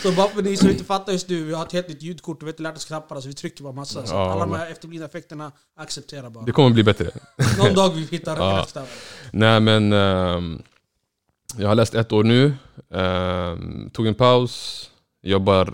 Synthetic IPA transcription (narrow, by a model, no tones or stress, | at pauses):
sɔbɑɛnɪsɔmɪnt̪əfat̪ːaɾjɵst̪nʉ̟ːvɪhahaɾt̪heːlt̪nɪt̪jʉːd̪kʰʊʈːvɪhɪnt̪əlæːʈɔskʰnapːaɾas̬ɔvɪt̪ʰɾʏkːəɾbɑːɾmasːasɔalːamɛɛft̪əɾbliːənaɛfɛk̚t̪əɳa | aksɛp̚t̪ʰeːɾaɾbɑːd̪ɛkʰɔmːəbliːbɛt̪ɾə̰ | nɔd̪ɑːɡvɪhɪt̪ːaɾt̪st̪apːnæɪmɛn | jɑːɡhaɭlɛːst̪ɛt̪ːoːɳʉ̟ː | t̪ʰuːɡɛnpʰaʊs | jɔɡbaɾ